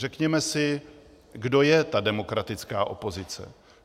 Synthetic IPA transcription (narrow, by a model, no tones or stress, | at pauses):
rɛkɲɛmɛsɪ | ɡdo̞jɛt̪adɛmo̞kɾat̪ɪt͡skaːʔo̞̰po̞zɪt͡sɛ̰